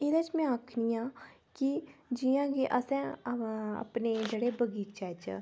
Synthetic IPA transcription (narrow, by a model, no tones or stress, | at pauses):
ɪd̪aːt͡ʃmɛ̃ːaːkʰniːãː | kid͡ʒɪjãːɡiʔəsɛ̃ː | a̰pneːd͡ʒeːɽeːbəɡiːt͡ʃɛt͡ʃ